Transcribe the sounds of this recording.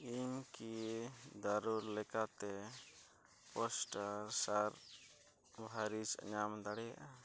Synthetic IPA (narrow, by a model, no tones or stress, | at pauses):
iɲkid̪aɾuɾlɛkat̪ɛ | pɔsʈaɾsaɾ | bʱaɾit͡ʃa̰ɲamd̪aɽɛja̰ʔa